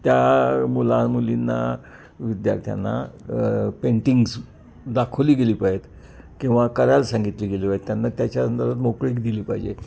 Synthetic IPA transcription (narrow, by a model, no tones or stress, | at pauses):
t̪jamulanmulinːa̰ | ʋid̪ja̰ɾt̪ʰja̰nːa̰ | peɳʈiŋɡs | d̪akʰəliːɡeliːpaet̪ | kĩw̃ʋakəɾalsãŋɡit̪liːɡeliːpajet̪ːjanːat̪jat͡ɕjaənd̪əɾbat̪mokɭiːkd̪iliːpajd͡ʑḛ